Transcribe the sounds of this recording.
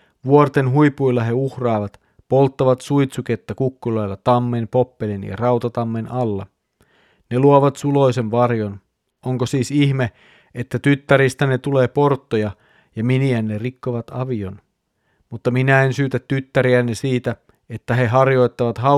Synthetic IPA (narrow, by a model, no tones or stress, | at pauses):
ʋuort̪e̞nɦuipujlːɑɦe̞uhrɑːʋɑt̪ | po̞lt̪ːɑʋɑt̪sujt̪suke̞t̪ːækukːulɑjlːɑt̪ɑmːempo̞pːe̞linjɑ̰rɑwt̪ɑt̪ɑmːenɑlːɑ̰ | ne̞luoʋɑt̪sulo̞jse̞nʋɑrjo̞n | oŋkosiːsiçme̞ | ʔet̪ːæt̪yt̪ːæɾist̪æne̞t̪uleːpo̞rt̪ːojɑ | jɑminiænːe̞rikːoʋɑt̪ɑʋio̞n | mut̪ːɑminæensyːt̪æt̪ːyt̪ːæɾiænːesiːt̪æ | e̞t̪ːæɦe̞ɦɑrjo̞jt̪ːɑʋɑt̪ɦɑ